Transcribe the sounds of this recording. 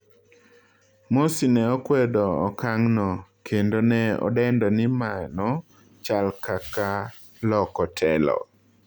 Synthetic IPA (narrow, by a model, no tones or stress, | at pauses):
mosinɛɔkwɛdɔːkaŋnɔkʰendonɛɔ̰dɛndɔnɪmanɔ | t͡ʃalkaka | lɔkɔtʰɛlɔ̰